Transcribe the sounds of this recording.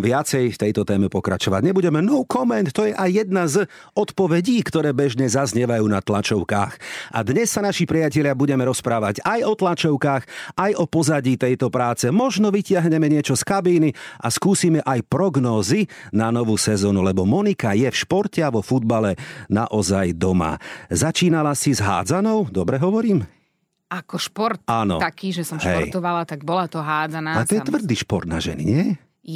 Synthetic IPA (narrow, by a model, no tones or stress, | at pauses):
ʋɪat͡sɛjft̪ɛjt̪ɔt̪ɛːmɛpɔkɾa̰t͡ʃɔʋa̰ɟɲɛbuɟɛmɛnɔwkɔmɛnt̪ːɔjɛʔajːɛd̪naz | ɔt̪pɔʋɛɟiːkt̪ɔɾɛːbɛʒɲɛzazɲɛʋajuːnat̪lat͡ʃɔʊka̰ːxa̰d̪ɲɛsːanaʃipɾijacɛʎɪabuɟɛmɛɾɔspɾaːʋaɟajɔt̪lat͡ʃɔʊkaːxʔajɔpɔzaɟiːt̪ɛjt̪ɔpɾaːt͡sɛmɔʒnɔʋicɪaɦɲɛmɛɲɪɛt͡ʃɔskabiːniʔaskuːsiːmɛʔajpɾɔɡnɔːzinanɔʋuːsɛzɔːnulɛbɔmɔnikajɛfʃpɔɾcɛaʋɔfud̪̚balɛnaʔɔzajd̪ɔma̰zat͡ʃiːnalasizɦa̰ːd͡zanɔʊd̪ɔbɾɛɦɔʋɔɾiːm | akɔʃpɔɾt̪anɔ̰t̪akiːʒɛsɔmʃɦɛɔ̰ɾjt̪ɔʋalat̪aɡbɔlat̪ɔɦaːd͡zanaat̪ɔjɛt̪ʋr̩d̪iʃpɔɾt̪na̰ʒɛ̰nḭɲɪɛ